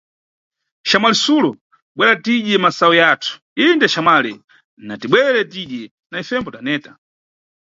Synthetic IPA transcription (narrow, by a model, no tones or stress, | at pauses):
ʃamalɛsulɔ | ɓwɛɾatiʄɛmasaɔjaːtʰu̥ | indɛʃamalɛ | natiɓwɛɾɛtiɗɛ | naifɛmbɔtanɛːta